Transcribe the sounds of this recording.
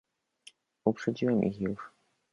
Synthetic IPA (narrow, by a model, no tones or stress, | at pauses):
upʂɛd͡ʑiwɛmʔḭxjuʂ